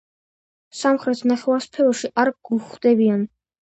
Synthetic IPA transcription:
samχɾɛt̪ʰnaχɛwaɾspʰɛɔʃiʔaɾɡuχd̪ɛbian

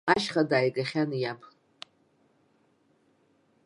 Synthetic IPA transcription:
aʃχadaːjɡaχʲanɨjabʰ

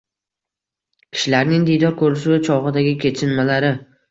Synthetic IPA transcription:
kʲʰɪ̥ʃɪlaɾnɪŋd̪ijd̪ɒɾkʰɵɾɪʃ̬t͡ʃʰɒʁɨd̪aɡʲɪkʲʰe̞t͡ʃʰɪnmalaɾɪ

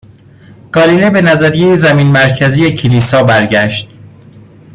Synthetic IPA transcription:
ɡ̥ɒːlinebe̞næzæɾijejezæmiːnmæɾcʰæzijecʰeliːsɒːbæɾɟæʃt̪̚

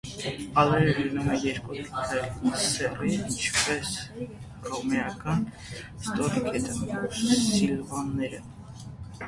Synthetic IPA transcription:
ɑlɛɾəlinumɛjɛɾkutkʰɑlsɛriint͡ʃʰpɛs | rɔmɛɑkɑn | st̪ɔɾkʰɛt̪əsilvɑnːɛɾə

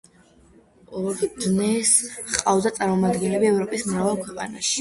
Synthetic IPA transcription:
ɔɾd̪nɛsχqʼavd̪at̪sʼaɾmɔmad̪ɡɛnlɛbiɛvɾɔpʼismɾavɛlˠkʰwɛqʼa̰naʃi̥

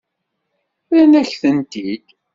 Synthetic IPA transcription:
θænæçθənt̪id̪̥

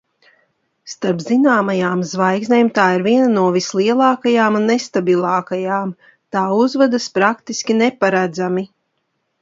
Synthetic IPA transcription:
st̪aɾpzinaːmajaːmzvajɡznʲeːmt̪aːiɾviɛnanuɔvislˠiɛlˠɑːkajaːmunːest̪abilˠɑːkajaːm | t̪aːuzvad̪aspɾakt̪iskʲinepaɾad̪zami

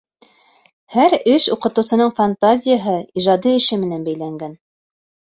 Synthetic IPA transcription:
hæɾɘʃuqɤ̆t̪ɤ̆wsɤ̆nɤɴfant̪azʲɪjaɦɤiʒɑd̪iɘ̆ʃɘmɘ̆nænbæjlæŋɡæn

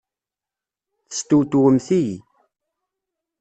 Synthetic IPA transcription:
θə̥st̪ut̪wəmθij

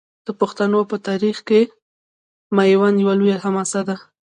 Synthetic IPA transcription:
d̪̥əpoxt̪anopət̪aɾixke | majwanjawalujaɦamasad̪a

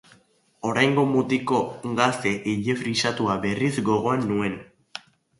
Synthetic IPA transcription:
o̞ɾajŋɡo̞mut̪iko̞ɡast̪e̞ʔiʎefɾisat̪uaβe̞rizɡo̞ɣo̞anːue̞n

